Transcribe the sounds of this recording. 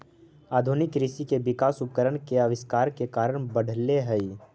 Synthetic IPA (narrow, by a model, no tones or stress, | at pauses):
aːd̪ʱunɪkɾɪʃikebɪkaːsʊp̚kəɾəɽ̃keɐʋɪskaːɾkekaːɾəɽ̃bəɽʱleɦɛi